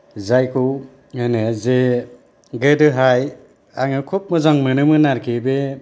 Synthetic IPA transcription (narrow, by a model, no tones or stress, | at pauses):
zajkʰɯw | eneze | ɡɯdɯɦaj | aŋɯkʰup̚mɯzaŋmɯnɯmɯnaɾkʰebe